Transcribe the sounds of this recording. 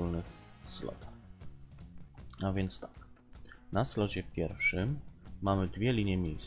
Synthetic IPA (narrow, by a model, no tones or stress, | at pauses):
ulnɘxslɔ̰t̪a | avʲjɛnt̪st̪ḁk̚ | naslɔd͡ʑɛpʲjɛɾfʂɘmːamɘd̪vʲjɛlʲiɲɛmʲjejs